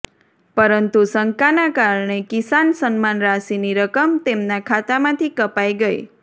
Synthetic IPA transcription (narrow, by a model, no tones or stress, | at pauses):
pəɾənt̪usəŋkanakaɾɳekisansənmanɾasiniɾəkəmt̪emnakʰat̪amãt̪ʰikəpaiɡəḭ